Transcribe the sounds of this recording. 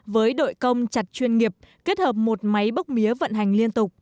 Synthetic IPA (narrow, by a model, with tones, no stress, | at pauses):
vəː˨˦jɗo̰˧˨jjkə˧wŋ͡mt͡ɕa˨˩t̚t͡ɕwi˧ənŋi˨˩əp̚ke˦˥t̚həː˨˩p̚mo˨˩t̚ma˨˦jɓə˦˥k͡p̚mi˨˦əvə̰˧˨nɦa˨˩jŋ̟li˧ənt̪ʊ˨˩k͡pk͡p̚